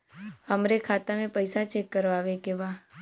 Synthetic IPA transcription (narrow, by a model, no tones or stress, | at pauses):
həmɾekʰaːt̪amẽpəɪsat͡ʃeːkːəɾʋaːʋekeʋaː